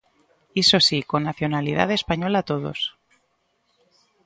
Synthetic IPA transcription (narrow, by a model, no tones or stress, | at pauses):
iso̞sikonaθjo̞naliða̰ðe̞spaɲolat̪oð̞o̰s